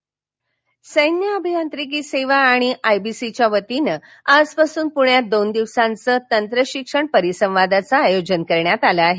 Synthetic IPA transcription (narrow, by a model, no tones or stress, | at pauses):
səjnjəəbʱijant̪ɾik̬iːseʋaːɽ̃iʔajbisit͡ɕjaʋət̪inə | ad͡zpasuːnpuɳjad̪ond̪iʋsãnt͡səːt̪ənt̪ɾəɕikʂəɳpəɾisə̃ʋʋad̪at͡saːjod͡ʑənkəɾɳjat̪alaaɦe